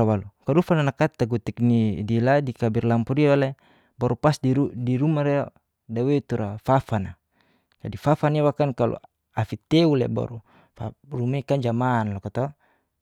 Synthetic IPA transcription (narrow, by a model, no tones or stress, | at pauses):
awalukaɾufananakat̪ːaɡut̪ik̚nidiladikabirlampuɾialɛ | baɾupasdiudiɾumaɾɛ | dawet̪uɾafafana | d͡ʒadifafaniawakankalʔṵ | afit̪eulɛ̰ba̰ɾu | farumekand͡ʒamaːnlɔkat̪ɔ